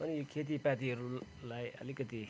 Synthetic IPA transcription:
ɐnikʰet̪̬ipæt̪iɾulajɐ̰likət̪i

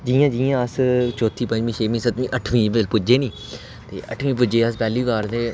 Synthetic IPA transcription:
d͡ʒiːjãːd͡ʒiːãːəst͡ʃɔːt̪ʰːiːpə̃ɲd͡ʒmĩːʃʰeːmĩːsət̪mĩːʔəʈʰmĩːbəd̪əlpʊd͡ʒeːnĩː | t̪ḛːʔə̰ʈʰʋĩːp̬ʊd͡ʒeːəspɛːliːʋaːɾd̪eː

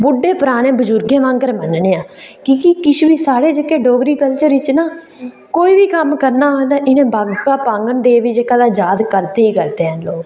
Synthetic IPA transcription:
bʊɖːeːpəɾaːnẽːbəd͡ʒʊɾɡẽːʋãŋɡəɾmənneːãːkiːkikɪt͡ʃʰʋiːsaːɽeːd͡ʒekeːɖoːɡɾiːkəlt͡ʃəɾɪt͡ʃnaː | koːiːʋiːkəmkəɾnaːɦõd̪aːʔɪnẽːbaɡkaːpãːŋɡənd̪eːʋiːd͡ʒekaːd̪aːd͡ʒaːd̪kəɾt̪eːiːkəɾt̪eːɦənloːɡ

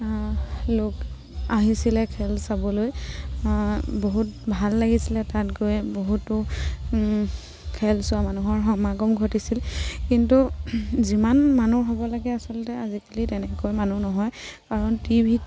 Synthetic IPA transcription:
lok | aɦisilɛkʰɛlsabɔloj | boɦutbʱalːaɡisilɛtatɡojboɦutːʊ | kʰɛlsʊwamanuɦɔɹɦɔmaɡɔmɡʱɔtisilkintuzimanmanuɦɔbɔlaɡɛasɔltɛazikalitɛnɛkojmanunɔɦɔjkaɹɔntibʱit

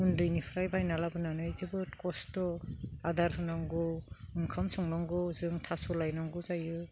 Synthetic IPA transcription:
undɯjnipʰɾajbajnalabɯnanɯjzɯbɯtkɔstɔadaɾɦɯnɔŋɡɯɯŋkʰamsɔŋnɔŋɡɯzɯŋtʰasulajnɔŋɡɯzajɯ

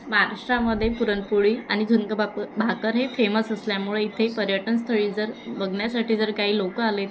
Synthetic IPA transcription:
məɦaɾaʂʈɾaməd̪ʱːjepuɾənpuɭiːaɽ̃id̪ʱunkəbʱabʱakəɾɦefeməsəsljamuɭeit̪ʰepəɾjəʈənst̪ʰəɭiːd͡zəɾbəɡɳjasaʈʰiːd͡zəɾkaɦiːlokəalet̪

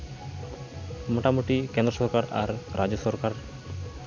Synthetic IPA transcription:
moʈamuʈikend̪ɾosɔɾkaɾa̰ɾːad͡ʑosɔɾkaɾ

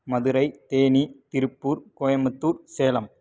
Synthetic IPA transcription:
mɐðɯɾɐɪt̪eːnit̪ɪɾɯpːuːɾkoːjɐmɐt̪ːuːɾseːlɐm

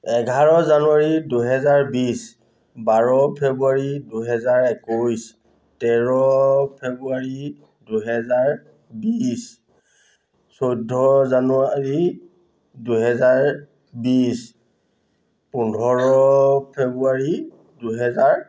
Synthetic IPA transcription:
ɛɡʱaɹɔzanuaɹiduɦɛzaɹbis | baɹɔpʰɛbuaɹiduɦɛzaɹɛkujs | tɛɹɔpʰebuaɹi | duɦɛzaɹ | bis | sojdʱɔzanuaɹi | duɦɛzaɹ | bis | pundʱɔɹɔpʰebuaɹi | duɦɛzaɹ

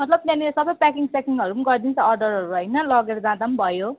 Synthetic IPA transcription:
mʌt̪lʌb̚t̪jãnisʌbʌjpakiŋsekiŋɡʌɾumuɡʌrd̪int͡sʰʌʌrɖʌɾɦʌɾuɦʌjnʌlʌɡeɾʌd͡zãd̪ambʱʌjo

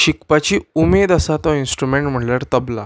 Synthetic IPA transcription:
ɕikpat͡ɕiːumed̪asat̪ɔinsʈɾumeɳʈm̤əʈlaɾt̪əbla̰

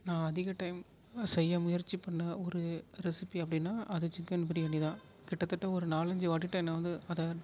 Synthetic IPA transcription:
nãːɐðɪɣɐʈːɐɪm | sɛjːɐmʊjɐɾt͡ʃːipɐɳːɐɔɾɯɾɛsɪpiɐpːɐɽɪnːaːʔɐðɐt͡ʃɪŋkɐnːɯpɪɾiɐnːiðãː | kɪʈːɐt̪ːɐʈːɐɔɾɯnaːlɐɲd͡ʒɯʋaːʈːiʈːɐɛnːɐʋɐnd̪ɯɐðɐ

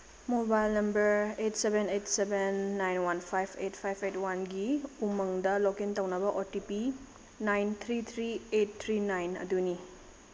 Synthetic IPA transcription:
mobajlnɐmbɐɾetsebʱenetsebenːajnwanpʰajpʰet̚pʰajpʰetwanɡiumɐŋdɐlowkentɐwnɐbɐʔotipi | najnt̪ʰɾit̪ʰɾiet̚t̪ʰɾinajnɐ̰duni

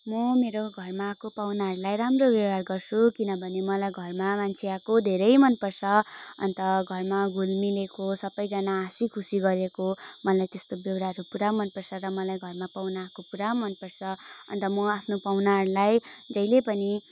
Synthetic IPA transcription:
mʌmeɾoɡʱʌrmakopawnaɦʌɾulajɾamrobjʌbarɡʌrt͡sʰukinʌbʱʌnemʌlajɡʱʌrmamant͡sʰiakod̪ʱeɾʌjmʌnpʌrt͡ssʰʌʌ̰nt̪ʌɡʱʌrmaɡʱulmilekosʌbʌjd͡zʌnaːsikʰusiɡʌɾekomʌlajt̪est̪objʌwɾaɦɾupuɾamʌnpʌrsʰʌɾʌmʌlajɡʱʌrmapawnakopuɾamʌnpʌrsʰʌʌ̰nt̪ʌmʌapʰnopawnaɦʌɾulajd͡zʌjlepʌni

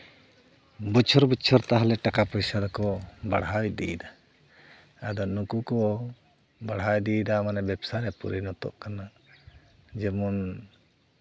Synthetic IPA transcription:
but͡ʃʰɔɾbut͡ʃʰɔɾt̪aɦalɛʈakapɔjsad̪ɔkɔbaɽɦawd̪iid̪a | ad̪ɔnukukɔ | baɽɦawd̪id̪amanɛbɛbsaɾɛpṵɾinɔt̪ɔ̰ʔkana | d͡ʒɛmun

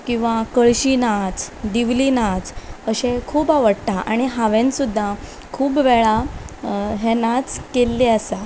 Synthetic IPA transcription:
kĩw̃ʋakəɭɕinat͡sd̪iʋlinat͡səɕẽkʰuːbaʋəɽt̪aʔa̰ɽ̃iɦaʋẽnsud̪ʱːa | kʰuːbʋɛɭa | ɦenat͡skelːeəsa

